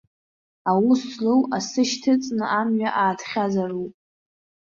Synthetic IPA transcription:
awuslɨwasɨʃtʰɨt͡sʼnɨʔamɥaʔaːtʰχʲazarupʼ

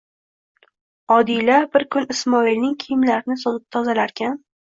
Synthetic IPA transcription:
ɒd̪ilabɪɾkʰʊnɪsmɒilnɪŋkʲʰijmlaɾɪnɪsɒt̪ɪp̚t̪ʰɒzalaɾkʲʰan

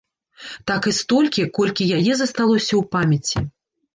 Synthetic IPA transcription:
t̪akɨst̪ɔlʲkʲikɔlʲkʲijajɛzɐst̪alˠɔsʲɐwpamʲɐt͡sʲːi

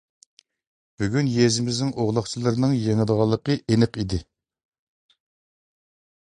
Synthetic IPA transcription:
b̥yɡʲynjezɪmɪznɪŋʔoʁlˠɑχt͡ʃʰilˠɨɾnɨŋjeŋəd̪əʁɑlˠːəqəʔenɨqid̪ɪ

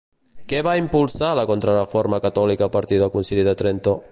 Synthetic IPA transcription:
kɛβaimpulˠsaləkont̪ɾərefoɾməkat̪ɔlikapaɾt̪iðəlˠkunsiʎiðət̪ɾent̪o

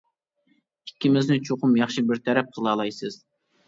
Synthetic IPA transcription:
ikʲʰːimɪznɪt͡ʃʰoqʊmjɑχʃibɪɾt̪ʰɛɾɛp̚qʰəlˠɑːlˠɑjsɨz̥

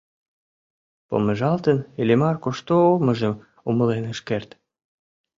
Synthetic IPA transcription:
po̰məʒɑlt̪ənelʲemɑrkoʃt̪ooməʒəm | uməlenəʃkert̪

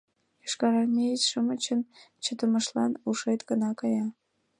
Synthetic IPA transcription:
ɤʂkɑɾɑrnʲeit͡ɕʲʂɤ̆mɤ̆t͡ɕə̆nt͡ɕʰə̆d̪ɤ̆mɤ̆ʂlˠɑnuʂɤjt̪kɤ̆nɑkɑjɑ

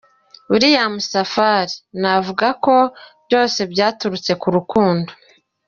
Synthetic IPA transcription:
uɾijamusafaɾinavuɡako̞bjo̞ːse̞bɟaːtuɾut͡se̞kuɾukuːndo

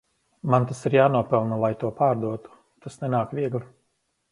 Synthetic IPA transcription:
mant̪asiɾjaːnuɔpɛlˠnalˠajt̪uɔpaːɾd̪uɔt̪u̥ | t̪asnɛnaːkʋiɛɡlˠi

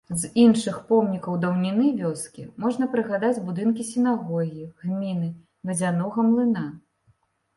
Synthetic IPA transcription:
zinʂɨxpɔmnʲikɐwd̪ɐwnʲinɨvʲɔskʲḭmɔʐnɐpɾɨɣad̪ad͡zʲbud̪ɨnkʲisʲinaɣɔɣʲiiɣmʲinɨ | vɐzʲanɔɣɐmlˠɨna

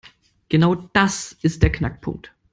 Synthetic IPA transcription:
ɡ̥ənaʊd̥asʔɪst̚d̥eːɐkʰnak̚pʰʊ̰ŋk̚t

